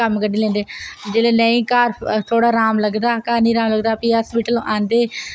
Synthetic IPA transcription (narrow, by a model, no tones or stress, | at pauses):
əmkəɖeːlɛ̃ːnd̪eːd͡ʒeːleːnə̃ĩːkaːɾt̪ʰoːɽaːɾaːmləɡd̪aːkaːɾnĩːɾãːmləɡd̪aːpiːaspiːʈəlʔãːnd̪eː